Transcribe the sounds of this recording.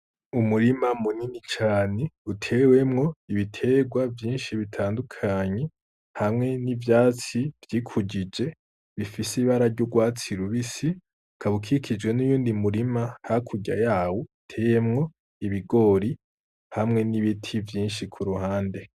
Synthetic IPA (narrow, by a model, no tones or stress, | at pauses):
umuɾimamuninit͡ʃaːneutʰe̞we̞mŋo̞iβitʰe̞ːɡwavjiːnʃiβitʰaːndukʰaɲe̞ | hamŋe̞nivjaːt͡sivjiːkʰuɟid͡ʒe̞ | βifisiβaɾaɾɟoɡwaːt͡siɾuβisi | kʰaβukʰikʰid͡ʒwe̞nujuːndimuɾimahakʰuɟa̰jaːwotʰe̞ːje̞mŋo̞ | iβiɡo̞ɾi | hamŋe̞niβitʰivjiːnʃikʰuɾuhaːnde̞